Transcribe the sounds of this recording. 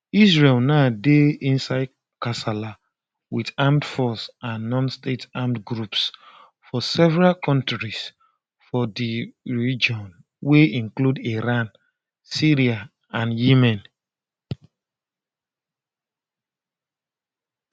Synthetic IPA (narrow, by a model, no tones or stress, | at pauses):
isɹelnadeĩnsaɪ | kasala | wḭtãmtfɔsãnːɔ̃nstetãmtɡɹups | fɔsɛvɛɹalkɔ̃ntɹis | fɔdiɹid͡ʒɔ̃n | weĩŋkludiɹãn | siɹia | ãnjimɛ̃n